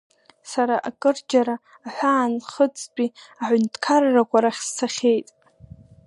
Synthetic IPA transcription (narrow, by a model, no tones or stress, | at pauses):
saɾaʔakʼɨrd͡ʒaɾaː | ħʷaːnχət͡sʼt͡pʼiaħʷʊntʰkʰarːakʷʰaɾaχʲst͡sʰaχʲe̞jtʼ